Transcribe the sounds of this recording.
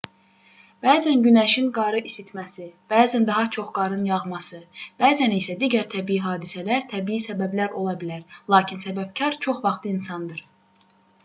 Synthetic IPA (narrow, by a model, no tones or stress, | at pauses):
b̥æːzænɟynæʃinɡɑɾɯʔisit̪mæsib̥æːzænd̪ɑɦɑt͡ʃʰo̞χɡɑɾɯnjɑʁmɑsɯb̥æːzænisæd̪iːɟæɾt̪ʰæbijiɦɑːd̪isælæɾt̪ʰæbiːisæbæblæɾo̞lˠɑbilæɾlˠɑːcʰinsæbæb̚cʰɑɾt͡ʃʰo̞χvɑχt̪ʰˠɯinsɑnd̪ɯɾ̥